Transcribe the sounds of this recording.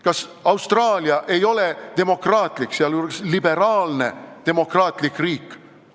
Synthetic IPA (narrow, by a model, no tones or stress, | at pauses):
kɑsɑwst̪rɑːliɑʔe̞jo̞le̞d̪̥e̞mo̞krɑːt̪likseɑluɾkslibe̞ɾɑːlne̞d̪̥e̞mo̞krɑːt̪ˑlikriːkːˑ